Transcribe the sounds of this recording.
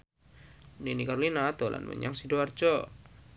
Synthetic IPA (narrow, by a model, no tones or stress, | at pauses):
ninikarlinat̪ɔlʔa̰nmə̰ɲaŋsidoart͡ʃɔ